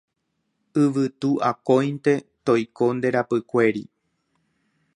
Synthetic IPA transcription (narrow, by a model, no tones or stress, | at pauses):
ɨʋɨt̪uʔakõj̃nt̪e̞t̪o̞jko̞nd̪e̞ɾapɨkʷe̞ɾḭ